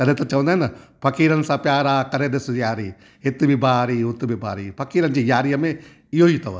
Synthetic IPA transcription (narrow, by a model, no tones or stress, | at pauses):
t̪ɐlẽt̪ɐt͡ʃɐ̃ʋə̃nd̪aɦɛnapʰɐkiːɾɐnɪ̆sapjaːɾaːkɐɾed̪ɪsjaːɾiː | ɪt̪bʱibaːɾiːʊt̪bʱiba̰ːɾiːpʰɐkiːɾɐnd͡ʒijaːɾijəmẽ | ɪjoːit̪ɐʋ